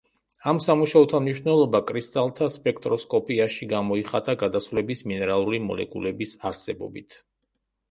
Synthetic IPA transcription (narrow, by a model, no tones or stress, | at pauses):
amsamuʃaɔt̪ʰamniʃvnɛlˠɔbakʼɾist̪ʼalˠt̪ʰaspʼɛkʰt̪ʼɾɔskʼɔpʼiaʃiɡamɔiχat̪ʼaɡad̪asvlɛbisminɛɾalˠuɾimɔ̰lɛ̰kʼṵlɛbisaɾsɛbɔ̰bit̪ʰ